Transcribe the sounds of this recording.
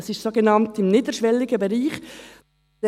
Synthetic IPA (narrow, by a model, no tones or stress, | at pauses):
ɑsɪʃtsoɡenɑntɪmniːdəʃʋɛlːɪɡəbeɾiːχ